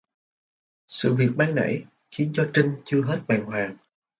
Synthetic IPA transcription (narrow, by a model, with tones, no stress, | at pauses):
sɨ̰˧˨vi˨˩ək̚ɓaː˧ŋna̰˧˥j | xi˨˦ənt͡ɕɔ˧t͡ɕï˧ŋ̟t͡ɕɨ˧əɦe˦˥t̚ɓaː˨˩nhwaː˨˩ŋ